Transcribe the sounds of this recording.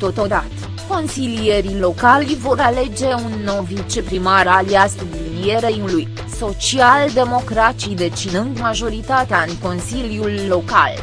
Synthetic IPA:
t̪o̞t̪o̞d̪at̪ə | ko̞nsilije̞ɾilo̞kalʲvo̞ɾale̞d͡ʒe̞unːo̞vit͡ʃe̞pɾimaɾaliast̪ublinie̞ɾejuluj | so̞t͡ʃiald̪e̞mo̞kɾat͡ʃid̪e̞t͡ʃinɨnd̪maʒo̞ɾit̪at̪eaɨŋko̞nsiljulːo̞ka̰l

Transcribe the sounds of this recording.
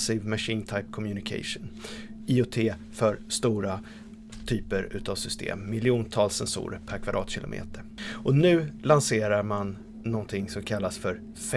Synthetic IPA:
siːvmaʂiːnt̪ʰajp̚kʰɔmjʉnɪkʰɛ̰ɪʂʊn | ɪʊt̪ʰeː | fœɾst̪uːɾa | t̪ʰyːpəɾʉ̟ːt̪avsʏst̪ʰḛːmːɪlɪuːnt̪ʰɑːlsːɛnsṵːɾəpʰæɾkʰvad̪ɾɑ̰ːt̪ɕɪlʊ̰mʔḛːt̪əɾʔɔnʉ̟ːlanseːɾaɾmanː | ɔnt̪ʰɪŋsɔmkʰalːasfœɾ | f

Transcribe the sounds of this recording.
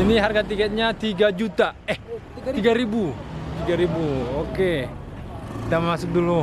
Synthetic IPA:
iniɦarɡat̪ikɛt̪̚ɲat̪iɡad͡ʒut̪aɛh̪ | iɡaɾibut̪iɡaɾibuoke | t̪amasʊk̚dulu

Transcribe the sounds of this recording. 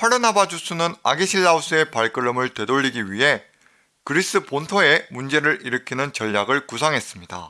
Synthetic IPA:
ɸʰaɾɯnabad͡ʑusʰunɯna̰ɡeɕʰiɭːaus͈ʰɯe̞paɭk͈ɯɾɯmɯɭtwe̞doʎːiɡiɥiɦe̞ | kɯɾis͈ɯpontʰoe̞mund͡ʑe̞ɾɯɾiɾɯkʰinɯnt͡ɕʌʎːjaɡɯɭkusʰaŋɦe̞s͈ɯmɲida̰

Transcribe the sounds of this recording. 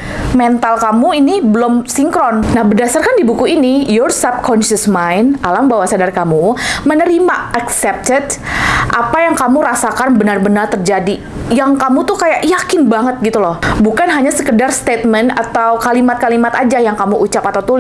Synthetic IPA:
mɛnt̪alkamuinibəlʊmsiŋkɾɔnnahbərdasarkandibukuinijɔrsab̚kʰɔnʃəsmajnalambawasadarkamumənəɾimaaksɛp̚t̪əd̪ʔapajaŋkamuɾasakanbənarbənart̪ərd͡ʒadi | jaŋkamut̪ukajaʔjakɪnbaŋət̪̚ɡit̪ulɔhbukanɦaɲasəkədarst̪et̪̚mɛnat̪awkalimat̪̚kalimat̪ad͡ʒajaŋkamuʔut͡ʃapat̪awt̪ulɪ

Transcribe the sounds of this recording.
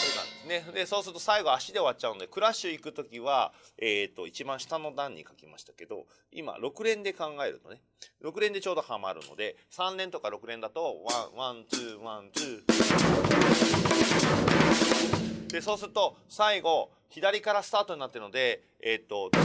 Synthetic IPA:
soːnã̰nd̪e̞sɨne̞d̪e̞so̞ːsɨɾɯ̟t̪o̞saiɡo̞aɕid̪e̞o̞βat̚ːt͡ɕaɯ̟nod̪e̞kɯ̟ɾaɕɨikɯ̟t̪o̞kʲiβaeːt̪ːo̞it͡ɕibãɰ̃ɕi̥t̪ano̞d̪ãɲ̟ːḭkakʲimaɕi̥t̪ḁke̞d̪o̞̰ | ḭma̰ɾo̞kɯ̟ɾẽ̞nd̪e̞kãŋɡae̞ɾɯ̟t̪o̞ne | ɾo̞kɯ̟ɾẽ̞nd̪e̞t͡ɕo̞ːd̪o̞hama̰ɾɯ̟̰no̞̰d̪e̞ | sãnnẽ̞nt̪o̞kaɾo̞kɯ̟ɾẽ̞nd̪at̪o̞βãβãnt͡sɨːβãnt̪ɨː | d̪e̞soːsɨɾɯ̟t̪o̞saiɡo̞ | çid̪aɾʲikaɾasɨ̥t̪aːt̪o̞ɲ̟inat̪ːeɾɯ̟no̞d̪e̞ | eːt̪ːo̞

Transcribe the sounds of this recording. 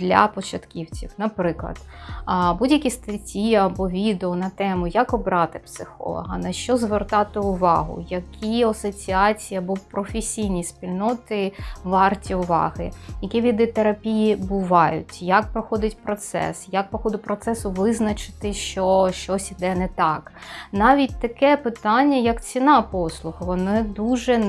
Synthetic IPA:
d̪̥lʲɐ̰pɔt͡ʃɐt̪kʲiwt͡sʲiwnɐpɾɪklˠɐ̰d̪̥budʲjɐkʲist̪ɐtʲiɐbɔʋʲid̪eɔnɐt̪ɛmʊjɐkɔbɾɑt̪ɪpsɪxɔ̰lˠɔ̰ɦɐnɐʃt͡ʃɔzʋert̪ɑt̪ɪʊʋɑ̰ɦʊ̰jɐkʲʰiɐsɔt͡sʲiɑt͡sʲijɐbɔpɾɔfesʲijnʲispʲilʲnɔt̪ɪʋɑrtʲiʊʋɑ̰ɦɪjɐkʲiʋʲid̪ɪt̪eɾɐpʲijibʊʋɑjʊ̰tʲjɐk̚pɾɔxɔd̪ʲɪtʲpɾɔt̪sɛ̰sjak̚pɾɔxɔd̪ɪt̚ʲpɾɔt̪sɛsʊʋɪznɐt͡ʃɪ̥t̪ɪʃt͡ʃɔʃt͡ʃɔsʲid̪ɛnɛt̪ɑknɑʋʲitʲt̪ɐkɛpɪt̪ɑnʲːɐjɐkt͡sʲinɑpɔslˠʊxɐʋɔnɪd̪uʒɛ

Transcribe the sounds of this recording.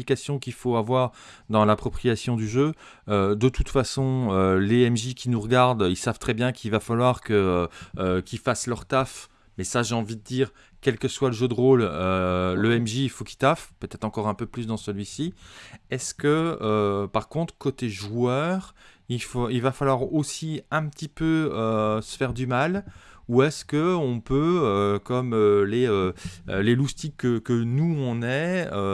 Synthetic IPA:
ikasjɔ̃kilfoavwaʁd̪ɑ̃lapχɔpχijasjɔ̃d̪yʒø | ød̪ət̪ut̪fasɔ̃øleɛmʒikʰʲinuʁəɡaʁd̪ilsav̥t̪χɛbjɛ̃kʰilvafalwaʁkəøøkʲilfaslœʁt̪af | mɛsaʒeɑ̃vid̪əd̪iːʁ | kʲɛlkəswaləʒød̪əʁoløløɛmʒiːlfoki̥t̪afpøt̪ɛt̪χɑ̃kɔʁɛ̃pøplys̬d̪ɑ̃səlɥisiɛskəː | paʁkɔ̃t̪χkot̪eʒuœʁilfoilvafalwaʁosiɛ̃pət̪ipøøsə̥fɛʁd̪ymaluɛskəɔ̃pøøkɔmøleø̰lelust̪ikːəkənuɔ̃nɛø

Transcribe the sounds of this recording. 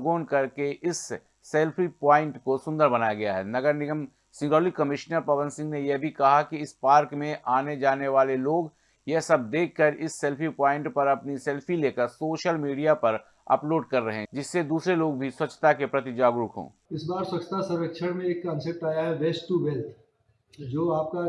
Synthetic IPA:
ɡoːnkɐɾkeʔɪsː | ɛːlpʰipãːɪ̃ɳʈkosʊ̃nd̪əɾbɐnaːjaɡɐjaɦɛ̰ːnɐɡəɾnɪɡəm | sɪ̃ŋɡəːlikɐmɪʃnəɾpɐʋə̃nsɪ̃ŋɡnejɛbʱikɐɦakiɪspaːɾkmẽʔaːned͡ʒaːneʋaːleloːɡ | jɛɦsɐb̚d̪eːkʰːɐɾɪsːeːlfʰipaːɪ̃ɳʈpɐɾɐpnisɛːlpʰileːkəɾsoːʃəlmiːɖijapɐɾ | ɐ̰ploːɖkɐɾːɐɦẽd͡ʒɪsːed̪uːsɾeloːɡbʱiswɐtːt͡ʃʰːə̥t̪akepɾɐt̪ɪd͡ʒaːɡɾʊkɦõ̰ː | ɪsbaːɾswət͡ʃʃʰət̪asɐ̃ɾɾəkʃʰəɽmẽeːkkə̃nsep̚ʈaːjaɦɛʋeːsʈuʋɛlt̪ʰ | d͡ʒoːaːp̚ka

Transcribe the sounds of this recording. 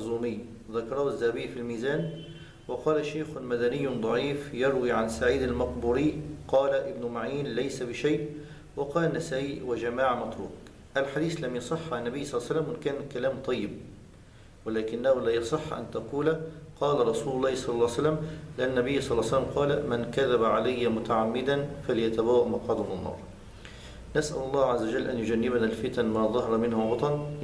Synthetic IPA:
zuːmɪjː | ðɑkɑɾˤɑhʊzːahabɪjːfilmiːzæːn | wɑqɑːlaʃːaːxʊmad̪anɪjːʊd̪ˤɑʕiːfjɑɾˤwiːʕansaʕiːd̪almɑqbuːɾiːqɑːlaʔɪbnʊmaʕiːnlajsabɪʃajʔ | wɑqɑːlanːasæːʔiwɪd͡ʒamaːʕmɑt̪ˤɾṵːk | ʔalħad̪iːθlamjɑsˤɨħːanːæbɪjːsˤɑlːsælːamwɪnkæːnkalæːmt̪ˤɑjːɪb̚ | wɪlaːkɪnːahʊlaːjɑsˤɨħːʔa̰nt̪aquːlaqɑːlaɾˤɑsuːlʊlˤːɑːhsˤɑlːɑlːɑːsalːamlɪʔanːanːabɪjːsˤɑlːsalːamqɑːlamɪnkaðabaʕalajːamʊt̪aʕamːɪd̪anfaljat̪abawːaʔmɑqɑːd̪ˤɑmnnːɑ̰ːɾˤ | nasʔa̰lʊlˤːɑːhʕazːawad͡ʒalːʔanjʊd͡ʒanːɪbanalfɪt̪anmaːðˤɑɦɑɾˤmɪnhʊwɑt̪ˤɑn

